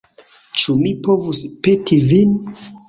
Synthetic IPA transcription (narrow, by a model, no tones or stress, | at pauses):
t͡ʃumipo̞vuspetivin